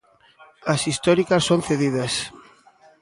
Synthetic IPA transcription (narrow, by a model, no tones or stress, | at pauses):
ɐsist̪ɔɾikɐsːonθeðiðɐs